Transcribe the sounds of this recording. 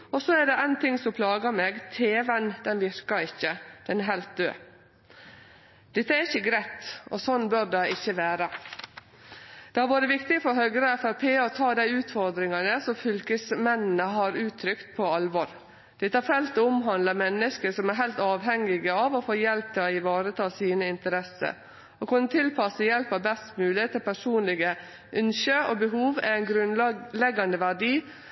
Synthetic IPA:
ɔsɔæɖɛæɪnt̪ʰɪŋsɔpʰlɑːɡəɾmeːɡt̪ʰeːʋənd̪ɛnʋɪɾkɑɾɪçːəd̪̥ɛnæɦæɪlt̪̚d̪ø̰ː | d̪̥ɛt̪ːəæɾɪçəɡɾæɪt̪ɔsɔnːbøɾd̪ɛɪɪçːəʋæːɾɑ | d̪̥ɛhɑɾʋɑːɾəʋɪkt̪ɪɡəfɔɾɦœɡɾəfæɾpʰeːɔt̪ʰɑːd̪æɪʉːt̪fɔɾd̪ɾɪŋɑnəsɔmfʏlkəsmɛnn̩əɦɑɾʉːt̪ʰːɾʏkt̪̚pʰɔɑlʋɔɾ | d̪̥ɛt̪ːəæɾfɛlt̪oʊmɦɑnd̪əmɛnːəskəsɔmæɾɦæɪlt̪ɑːʋɦɛŋːɪɡəɑʋofoːjɛlp̚t̪ʰɪlɔɪʋɑːɾət̪ʰɑːsiːnəɪnt̪əɾɛsə̰ɾ | okʰʊnːət̪ʰɪlpʰɑsəjɛlpɑʋbɛst̪mʉːlɪət̪ʰːɪlpʰæʂuːnlɪɡə | ʔʉnʃəo̰ːbəɦuːʋæ̰ænɡɾʉnlɛɡːɑnd̪əʋæɖiː

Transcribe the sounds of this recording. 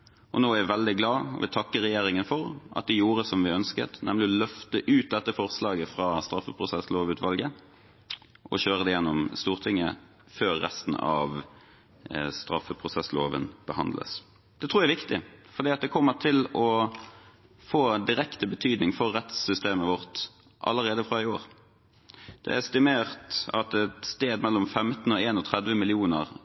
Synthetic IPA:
ʔɔnoːæʋɛld̪ɪɡlɑ̰ːʋɪ̰t̪ʰɑkːəʁɛjeːɾɪŋənfɔɾʔɑ̰t̪̚d̪ɛjuːɾəsɔmʋɪœnskə̰t̪nʔɛmlɪɔlœft̪əʔʉːt̪̚d̪ɛt̪ːəfɔɾslɑːɡəfɾɑːst̪ɾɑfəpʰʁʊsɛsloːʋʉːt̪ʋɑlɡə | ʔɔ̰ɕøːɾəd̪ɛjɛnːɔmst̪uːʁt̪ʰɪŋːə̰ | føːɾːɛ̰st̪n̩ɑ̰ʋ | st̪ɾɑfːəpʰɾʊsɛsloːʋə̰nb̥əhɑnd̪lə̰s | d̪̥ɛt̪ʰʁuːjæɪʋɪkt̪ɪfɔʁd̪iːɑt̪̚d̪ɛkʰɔmːəʈ̪ʰɪlɔ | foːd̪ɪɾɛkt̪əbət̪ʰyːd̪nɪŋfɔʁːɛt̪sʏst̪eːməʋɔʁt̪ | ʔɑ̰lːəɾʁeːd̪əfʁɑɪoːʁ | d̪̥ɛ̰æst̪ɪmeːʁt̪ɑt̪ɛt̪st̪eːd̪mɛlːɔmfɛmt̪n̩ɔeːnɔt̪ʰʁɛd̪ʋəmɪlɪuːnəʁ

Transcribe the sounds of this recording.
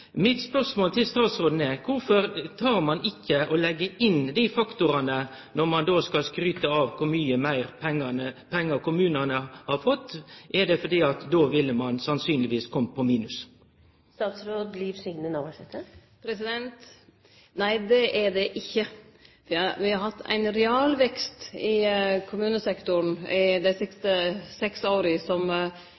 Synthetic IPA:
mɪt̪spœʁʂmoːlt̪ʰɪlst̪ɑːt̪sɾoːd̪n̩ɛkʰʊɾfɔɾt̪ʰɑːɾmɑnɪkːəʔɔlɛɡːəʔɪnd̪ifɑkt̪ʊɾɑnə | nɔɾmɑnd̪oːskɑlskɾyːt̪əɑːʋkʰʊɾmyːəmæɪɾpʰɛŋːɑnəpʰɛŋːəkʰʊmʉːnənəhɑɾfɔt̪ːʔɛd̪ɛfɔd̪iːɑt̪d̪oːʋɪlːəmɑnsɑnsyːnlɪʋiːskʰɔmːəpʰɔmiːnʉs | st̪ɑːt̪sɾoːd̪liːʋsʏŋnənɑʋæsɛt̪ːə | pʰɾɛsɪd̪ɛnt̪ | næɪd̪ɛʔɛɖɛʔɪçːəʋʋɪhɑɾhɑt̪ʰːæ̰ɪnɾɛɑːlʋɛkst̪ɪkʰʊmʉːnəsɛkt̪ʊɾnɪd̪æɪsɪkst̪əsɛksoːɾəsɔm

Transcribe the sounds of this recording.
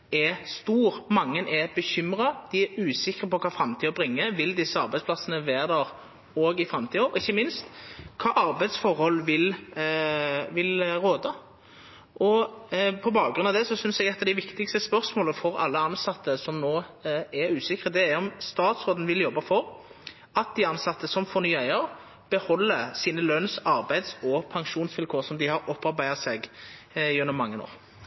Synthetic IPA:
ɛst̪uːɾmɑŋːənʔɛbəçʏmɾɑd̪̥ɪæɾʉːsɪkːʁəpɔkʰɑːfɾɑmt̪ʰiːəbɾɪŋːəʋɪld̪ɪsːəɑɾbæɪspʰlɑsənəʋæːɾd̪æʁ | oːɡɪfɾɑmt̪ʰiːəɔɪçːəmɪnst̪kʰɑːʔɑɾbæɪd̪sfɔɾhɔlːʋɪl | ʋɪlɾoːd̪ɑ | ʔɔpʰɔbɑːɡɡɾʉnɑd̪ɛsɔsʏnsɛɡɛt̪ːɑd̪æɪʋɪkt̪ɪkst̪əspœɾsmoːləfɔɾɑ̰lːəɑnsɑt̪ʰːəsɔmnoːɛɾʉːsɪkʁəd̪ɛæɛɔmst̪ɑːt̪sʁoːd̪ən̩ʋɪljɔbːɑfɔɾ | ɑt̪̚d̪ɪɑnsɑt̪ːəsɔmfɔʁnyːæɪəɾ | b̥əhɔlːəsiːnəlœnsɑɾbæɪd̪sɔpʰɑŋʃuːnsʋɪlkʰoːɾsɔmd̪ɪhɑɾɔpːɑɾbæɪɑseːɡ | jʉnːɔmːɑŋːəno̰ːʁ

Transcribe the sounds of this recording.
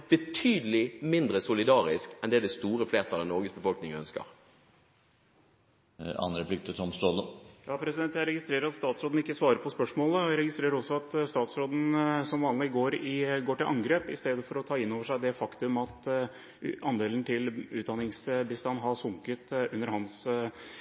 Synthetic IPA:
b̥ət̪ʰyːd̪əlɪmɪnd̪ɾəsʊlɪd̪ɑːʁɪskɛnd̪ɛæɖɛst̪uːɾəfleːʁt̪ʰɑlɛnɔʁɡəsbəfɔlknɪŋœnskə̰ʁ | ɑ̰nɾəpʰlɪk̚t̪ʰət̪ʰɔmst̪oləjɑːpʰɾɛsɪd̪ɛnt̪jæɪɾɛɡɪst̪ɾeːɾəɾɑt̪st̪ɑːt̪sɾoːd̪n̩ɪkːəsʋɑːɾəɾpʰɔspœʂmoːləɾɛɡɪst̪ɾeːɾəɾɔsːɔɑt̪st̪ɑːt̪sɾoːd̪n̩sɔmʋɑːnlɪɡoːɾɪɡoːʈɪlʔɑŋɡɾeːpɪ̰st̪eːd̪əfɔɾɔt̪ʰɑːɪnːoːʋəʂæɪd̪ɛfɑkt̪ʉmɑt̪ | ʔɑnd̪eːlənt̪ʰɪlʉːt̪̚d̪ɑnɪŋsbəst̪ɑnːɦɑsʊŋkət̪ʉnːəɾhɑns

